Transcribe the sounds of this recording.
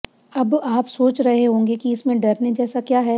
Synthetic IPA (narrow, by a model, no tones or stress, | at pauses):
ɐbaːpsoːt͡ʃɾɐɦeɦõːŋɡekiɪsmẽɖɐɾned͡ʒɛːsakjaːɦɛ